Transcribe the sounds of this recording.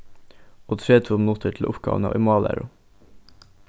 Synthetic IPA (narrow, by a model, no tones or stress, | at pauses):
oːt̪ʰɾeːt̪ʰumnuːt̪ʰəʈʰl̩ʔʊpɡɑ̰ːʋən̩ɑ̰ːʔɪmɑːlʔæ̰ɾʊ